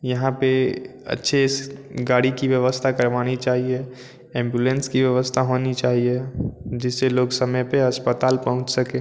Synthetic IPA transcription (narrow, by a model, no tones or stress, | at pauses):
jɐɦãpeə̰tːʃʰeɪsɡaːɽikiʋjəʋəst̪ʰakəɾʋaːnit͡ʃaːɦie | ẽːmbjulẽnskiʋjəʋəst̪ʰaɦoːnit͡ʃaːɦied͡ʒɪsːeloːɡsəməjpeəspət̪aːlpɐɦʊ̃t͡ʃsəkẽː